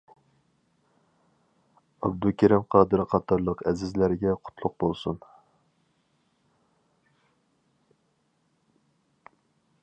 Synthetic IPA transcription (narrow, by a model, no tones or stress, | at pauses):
ɑ̰bd̪ukʲʰæɾɪmqʰɑːd̪ɨɾqʰɑt̪ʰɑɾlˠəqɛzɪzlæɾɪɡʲɛqʰʊ̥t̪ʰlˠʊq̚bolˠsṵn